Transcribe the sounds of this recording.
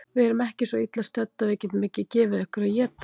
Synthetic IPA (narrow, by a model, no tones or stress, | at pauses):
vɪɛɾʏmɛhcɪsvɔit̪last̪ɛt̪ːaveːcɪt̪nmɪːcɪcɛːvɪðʏhkɾaðjɛːt̪a